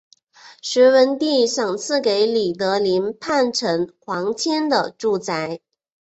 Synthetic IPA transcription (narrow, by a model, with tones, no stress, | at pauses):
ʂɻ̩˧˥wə˧˥nt̪i˥˩ʂɑ˨˩ŋt͡sʰɹ̩˥˩ke˧˥ɪli˨˩t̪ɤ˧˥li˧˥npʰa˥˩nʈ͡ʂʰə˧˥ŋxwɑ˧˥ŋt͡ɕʰjɛ˥nd̪ə˨ʈ͡ʂu˥˩t͡sa˧˥ɪ